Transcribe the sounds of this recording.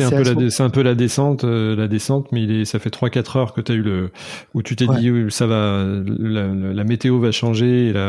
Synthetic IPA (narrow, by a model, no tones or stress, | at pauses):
sɛɛ̃pølad̪sɛɛ̃pølad̪esɑ̃t̪ølad̪esɑ̃t̪mɛilɛsafɛt̪χwakat̪χœʁkət̪yayləut̪yt̪edd̪isavaləllamet̪eovaʃɑ̃ʒeːla